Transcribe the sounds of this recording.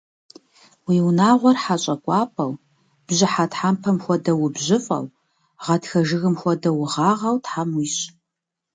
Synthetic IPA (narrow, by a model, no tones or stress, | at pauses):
wiːwnaːʁʷɔrħat͡ʃʼɐkʷʼɑːpʰʼɐw | b̥ʑɪħatħampʰɐmxʷɔdɐwʊbʑɪfʼɐ̰w | ʁɐtxɐʒɨɣɨmxʷɔdɐwʊʁɑːʁɐwtħamwiːɕ